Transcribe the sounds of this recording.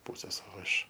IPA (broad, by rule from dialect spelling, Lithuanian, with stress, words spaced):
ˈpuːsʲeːs oː ˈɪʃ